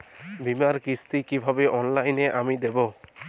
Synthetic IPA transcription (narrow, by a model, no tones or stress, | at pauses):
bimaɾkist̪ikibʱabeʔɔnlajneʔamid̪ebɔ